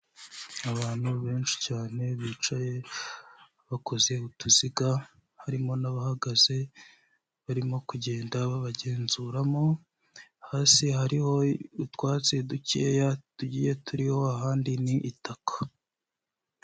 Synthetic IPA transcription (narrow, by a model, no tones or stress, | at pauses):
aβaːn̥huβe̞ːnt͡ʃi̥caːne̞βiːt͡ʃaje̞ | aβako̞zeutuziɡa | haɾimo̞naβahaɡaze̞ | βaɾimo̞kuɟe̞ːndaβaβaɟe̞ːnzuɾamo̞ | haːsihaɾiho̞utwaːt͡seducejatuɟiːje̞tʰuɾiho̞aɦaːndiniʔːtakʰḁ